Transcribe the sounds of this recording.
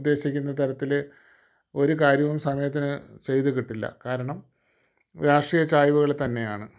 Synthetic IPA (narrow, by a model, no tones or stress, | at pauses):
d̪ːe̞ːɕikʲːunːɐt̪ɐɾɐt̪ːil | o̞ɾukaːɾjɐʋumsɐmɐjɐt̪ːinɨt͡ɕe̞jt̪ukiʈːilːɐ̰kaːɾɐɳɐm | ɾaːʂʈriːjɐt͡ɕaːjʋuɣɐɭt̪ɐnːe̞jaːɳɨ